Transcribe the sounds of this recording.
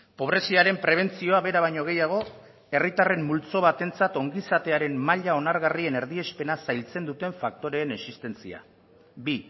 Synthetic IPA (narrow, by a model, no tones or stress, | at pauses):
po̞β̞ɾe̞siaɾe̞mpɾe̞β̞e̞nt͡sio̞aβe̞ɾaβajɲo̞ɣ̞e̞jaɣ̞o̞ | e̞rit̪are̞mːult͡so̞β̞at̪e̞nt͡sat̪o̞ŋɡisat̪e̞aɾe̞mmaʎao̞naɾɣarie̞ne̞ɾðie̞spe̞nasajlt͡se̞nd̪ut̪e̞ɱfak̚t̪o̞ɾe̞ːne̞sist̪e̞nt͡sḭa̰ | bi